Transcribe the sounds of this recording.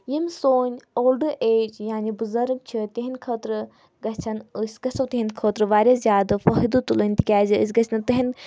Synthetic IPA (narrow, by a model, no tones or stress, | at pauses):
jimsoːnʲoːlɖɨʔeːd͡ʒjaːnibuzɐɾɨk̚t͡ʃʰit̪ʲɐɦinʲkʰɐːt̪ɾɨ | ɡɐt͡ʃʰɐnɨsʲɡɐsɐwt̪ʲɐɦinʲkʰoːt̪ɾɨʋaːɾʲazjaːd̪ɨfɐɦid̪ut̪ulonʲt̪ikʲaːziɨs̬ʲɡɐt͡ʃʰnɨt̪ɨɦin